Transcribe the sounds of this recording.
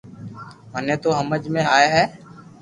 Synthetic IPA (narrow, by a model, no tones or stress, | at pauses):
məneːt̪oːɦəməd͡ʒmẽːaːjaːɦɛː